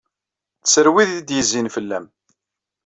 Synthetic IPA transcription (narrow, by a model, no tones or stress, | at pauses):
θsəɾwiðid̪jəzːinfəlːæm